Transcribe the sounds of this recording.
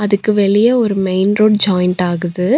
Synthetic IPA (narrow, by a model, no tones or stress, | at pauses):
ɐðɯkːɯʋɛɭɪjɐɔɾɯmɐɪnɾoːɖ̚d͡ʒaːjnʈaːɣɯðɯ